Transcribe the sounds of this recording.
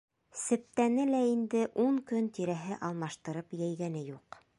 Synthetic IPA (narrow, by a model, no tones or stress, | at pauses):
sɘ̆p̚t̪ænɘlæind̪ɘʔuŋkɵnt̪iɾæɦɘʔɑlˠmɑʃt̪ɤ̆ɾɤpjæjɡænɘjuq